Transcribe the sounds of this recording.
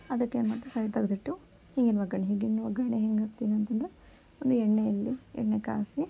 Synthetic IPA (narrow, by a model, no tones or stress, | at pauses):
ɐd̪ɐkːeːnmɐt̪ːɾusɐjt̪ɐɡd̪iʈːu | hiŋɡinːʋɐɡɐɳeɦiːŋɡinːuʋɐɡɐɳeɦeŋɡaːk̚t̪id̪ɐnt̪ɐnd̪ɾe | ond̪uɛɽnejɐlːiɛ̰ɳneka̰ːsi